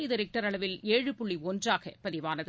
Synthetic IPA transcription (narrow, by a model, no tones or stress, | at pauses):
ɪðɐɾɪk̚ʈɐɾɐɭɐʋɪleːɻɯpʊɭːiɔndraːɣɐpːɐðɪʋaːnɐð